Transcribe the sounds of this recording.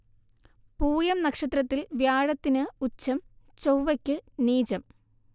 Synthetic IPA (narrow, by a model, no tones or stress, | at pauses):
puːjɐmnɐkʂɐt̪rɐt̪ːilʋjaːɻɐt̪ːinɨut͡ɕːɐmt͡ɕowʋɐkʲːɨniːd͡ʑɐm